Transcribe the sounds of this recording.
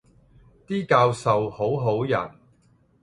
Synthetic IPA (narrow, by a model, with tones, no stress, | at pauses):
t̪iː˥kaː˧wsɐ˨who˨˥wɦo˨˥wjɐ̰˨˩n